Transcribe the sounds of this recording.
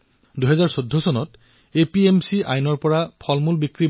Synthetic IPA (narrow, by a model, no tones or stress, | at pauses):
duɦɛzaɹsodʱːɔsɔnɔt | epiemsiʔa̰jnɔɹpɔɹapʰɔlmulbikɹi